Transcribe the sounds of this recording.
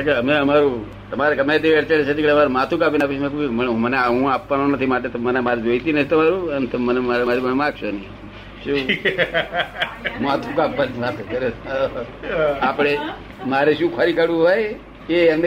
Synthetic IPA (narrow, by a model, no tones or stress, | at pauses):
keəmeəmaɾũ | t̪əmaɾeɡəmajt̪iʋeɽt͡ʃəɭet͡ʃʰet̪ikeəmaɾumat̪ʰukapinapimekumənũməneɦũapʋanõnət̪ʰimaʈ̬et̪omənemaɾid͡ʒoit̪inət̪ʰit̪əmaɾũənt̪omənemaɾemaɾibəɳmãɡʃʰoni | ʃũ | mat̪ʰukapʋaniʋat̪ʰukəɾe | apɽ̃e | maɾeʃũkʰəɾikəɽũɦoj | keəm